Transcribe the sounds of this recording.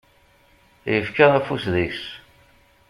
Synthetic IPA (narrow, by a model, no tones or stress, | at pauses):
jəfkəʁæfusðis